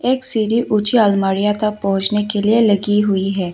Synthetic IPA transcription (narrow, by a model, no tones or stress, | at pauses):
eːksiːɾiʔʊt͡ʃiaːlmaːɽijat̪ɐk̚pɐɦʊ̃t͡ʃnekelielɐɡiɦʊiɦɛː